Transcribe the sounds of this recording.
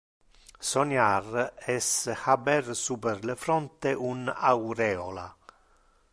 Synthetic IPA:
sonjarɛshabɛrsuperlefɾɔnt̪eʔunawɾɛːola̰

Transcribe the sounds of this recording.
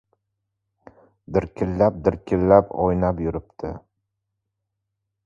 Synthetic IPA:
d̪ɪɾkʲʰɪlːap̚d̪ɪɾkʲʰɪlːapɒjnapjʊɾɪp̚t̪ʰɪ̰

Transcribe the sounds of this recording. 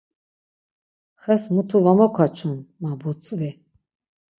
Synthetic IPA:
χɛsmut̪ʰuvamɔkʰat͡ʃʰunmabut͡sʼvi

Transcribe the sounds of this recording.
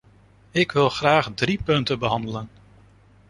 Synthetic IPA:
ɪkʋɪlˠχraːχdripɵntəbəɦɑndələn

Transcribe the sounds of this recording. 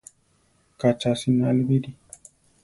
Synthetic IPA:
kat͡ʃasinalbidi

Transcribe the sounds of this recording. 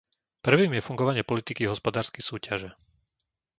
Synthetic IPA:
pr̩ʋiːmjɛfuŋɡɔʋaɲɪɛpɔlit̪ikiɦɔspɔd̪aːɾskɛjsuːcaʒɛ

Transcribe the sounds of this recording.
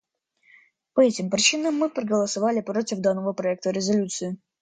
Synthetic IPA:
pɐɛtʲɪmpɾʲɪt͡ɕinəmːɨpɾəɡəlˠəsɐvalʲɪpɾotʲɪvd̪anːəvəpɾɐɛk̚t̪əɾʲɪzɐlʲut̪sɨɪ

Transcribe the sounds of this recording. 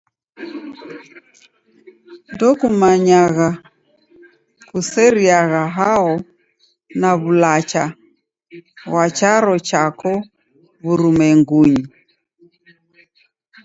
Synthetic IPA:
ndɔkumaɲaɣa | kusɛɾiaɣaɦaɔ | naβulat͡ʃa | ɣwat͡ʃaɾɔt͡ʃakɔ | βuɾumɛŋɡuɲi

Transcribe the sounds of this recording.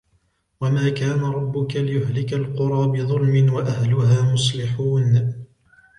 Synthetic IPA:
wamaːkaːnaɾˤɑbːʊkalɪjʊhlɪkalqʊɾˤɑːbɪðˤʊlmɪnwaʔahlʊɦaːmʊsˤlɪħuːn

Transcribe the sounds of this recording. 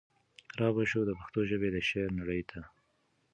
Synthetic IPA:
ɾɑbaʃod̪əpaxt̪oʒəbed̪əʃeɾnaɽəjt̪ʰa

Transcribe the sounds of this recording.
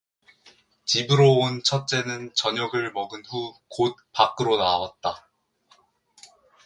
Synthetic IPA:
t͡ɕibɯɾoont͡ɕʰʌt̚t͡ɕ͈e̞nɯnt͡ɕʌɲʌɡɯɭmʌɡɯnɸukot̚pak͈ɯɾonawat̚t͈a

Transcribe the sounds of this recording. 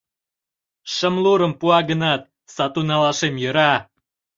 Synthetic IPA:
ʃəmluɾə̆mpuɑɡənɑt̪̚ | sɑt̪unɑlɑʃemjə̆ɾɑ

